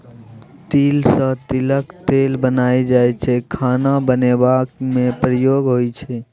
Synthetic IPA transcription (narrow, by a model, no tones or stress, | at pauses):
t̪iːlsə̃t̪iləkt̪elbənaːid͡ʒajt͡ʃʰɛkʰaːnabənebakmẽpɾəjoɡɦojt͡ʃʰɛ